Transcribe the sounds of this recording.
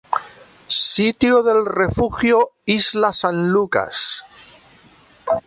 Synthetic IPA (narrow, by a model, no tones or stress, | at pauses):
sit̪joðe̞lrefuxjoizlasanluka̰s